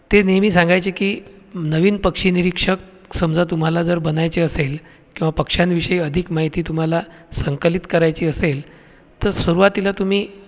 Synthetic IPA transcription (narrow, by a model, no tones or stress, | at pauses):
t̪enemiːsãŋɡajt͡ɕekiː | nəʋiːnpəkʂiːniɾikʂək | səmd͡zʱat̪um̤alad͡zəɾbənajt͡ɕeəsel | kĩw̃ʋapəkʂjanʋiɕəiəd̪ʱikmaɦit̪iːt̪um̤alasəŋkəlit̪kəɾajt͡ɕiːəsel | t̪əɾsʋəɾuʋat̪ilat̪um̤iː